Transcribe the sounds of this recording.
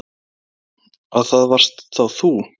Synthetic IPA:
aðθaðvar̥st̪θawθu

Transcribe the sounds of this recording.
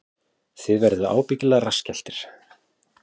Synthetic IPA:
θɪðvɛɾðʏa̰ːwpicɪlarascɛl̥t̪ɪɾ̥

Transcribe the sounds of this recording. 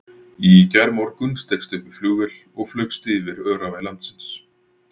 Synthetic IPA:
icɛɾmawɾkʏnst̪ekst̪ʏhkʏ̥fluːɣɪl̥ | ɔɣflœkst̪iːvɪɾœːɾavajlant̪sɪns

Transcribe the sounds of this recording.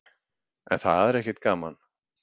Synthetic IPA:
ɛ̰nθa̰ðɛɾɛhcɛt̪̚kaːman

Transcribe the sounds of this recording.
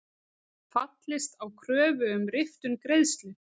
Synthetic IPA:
fat̪lɪst̪awkʰɾœːvʏʏmɾɪft̪ʏnkɾejðst̪lʏ

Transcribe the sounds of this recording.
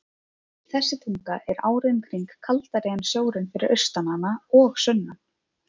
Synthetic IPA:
θɛsːɪt̪ʰiŋkaʔɛɾaːwɾɪnkʰɾiŋkʰːalt̪aɾɛjansjoːwɾʏnfɪɾɪɾʔœɥ̥st̪ananaɔɣsʏnːan

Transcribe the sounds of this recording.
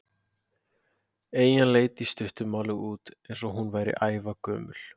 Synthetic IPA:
eːjanleːjt̪ist̪ʏht̪ʏmaːwlʏɣuːt̪ejns̬ɔɦunvaːjɾɪ̰ʔaːjvakœ̰ːmʏ̰l̥

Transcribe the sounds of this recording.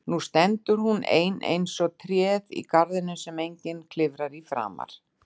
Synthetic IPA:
nust̪ɛnt̪ʏɾ̥hunḛjnḛjnsɔt̪ʰɾjɛːðḭkaɾðɪnːʏsɛmejɲcɪnkʰlɪvɾaɾifɾa̰ːma̰ɾ̥

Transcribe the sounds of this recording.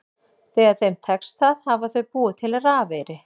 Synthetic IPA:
θɛːɣað̥θejmt̪ʰɛkst̪θaːðhavaθœɥpuːɪt̪ʰɪlaɾaːvɛːɾɪ

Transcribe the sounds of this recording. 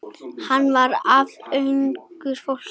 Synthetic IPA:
hanːvaɾavœɥŋkʏɾ̥fol̥

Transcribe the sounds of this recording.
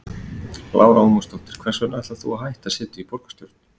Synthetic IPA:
lʔa̰ːwɾaɔmʏst̪ɔl̥t̪ɪɾ̥kʰvɛr̥sʏɛnat̪aθṵaɦajht̪asɪːt̪ʏipɔɾkḁst̪jɔwɾt̪n̥

